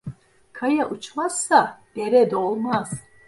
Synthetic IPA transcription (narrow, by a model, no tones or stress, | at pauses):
kʰajaʔut͡ʃʰmasːab̥ɛɾɛd̪ɔlmas